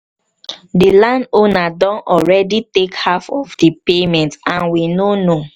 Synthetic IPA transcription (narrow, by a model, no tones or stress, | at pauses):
dilãndonadɔ̃nɔlɹɛditekhafɔfdipemɛ̃ntãnwinono